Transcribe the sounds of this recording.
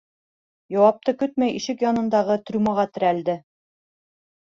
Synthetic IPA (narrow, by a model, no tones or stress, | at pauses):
jɑwɑp̚t̪ɤkɵt̪̚mæjʔiʃɘkjɒnɤ̆nd̪ɑʁɤt̪ɾʲumɑʁɑt̪ɘ̆ɾæld̪ɘ